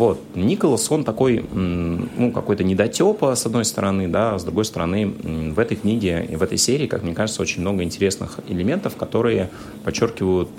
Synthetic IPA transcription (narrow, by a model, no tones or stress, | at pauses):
vo̞t̪nʲikəlˠəso̞nt̪ɐko̞j | nukɐ̰ko̞jt̪ənʲɪd̪ɐtʲo̞pəsɐd̪nojst̪əɾɐnɨd̪azd̪ɾʊɡo̞jst̪əɾɐnɨvɛt̪əjknʲiɡʲɪ̰vɛt̪ə̰jsʲeɾʲɪːka̰kmnʲe̞kaʐɨt̪səo̞t͡ɕɪnʲmno̞ɡəɪnʲtʲɪɾʲe̞snɨ̰xɪ̰lʲɪmʲe̞nt̪əfkɐt̪o̞ɾɨjə | pɐt͡ɕːo̞rkʲɪvəjʊt̪̚